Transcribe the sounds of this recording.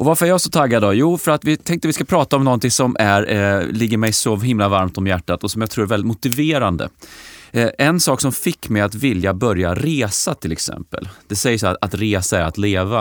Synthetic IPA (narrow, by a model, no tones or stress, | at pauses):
ʔɔvaɾfœɾæɾjasɔt̪ʰaɡːad̪ɔjuːfœɾat̪vɪt̪ʰɛŋk̚t̪əvɪskapʰɾɑːt̪aɔmnɔnt̪ɪŋsɔmʔæɾlɪɡːəɾmɛjsɔɦɪmlavaɾmt̪ɔmjæʈːat̪ɔsɔmjaɡt̪ʰɾuːɛɾvɛlɪt̪mʊt̪ɪveːɾand̪ə̰ | ʔɛnsɑːksɔmfɪkːmɛjat̪vɪljabœɾjaɾeːsat̪ʰɪlɛksɛ̰mpə̰ld̪̥ɛsɛjəsat̪ɾeːsaæɾa̰t̪leːva